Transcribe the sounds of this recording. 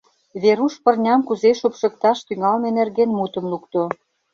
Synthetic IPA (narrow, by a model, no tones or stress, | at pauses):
βeɾuʃpə̆rnʲɑmkuzeʃopʃə̆k̚t̪ɑʃt̪yŋɑlmenerɣenmut̪ə̆mlukt̪o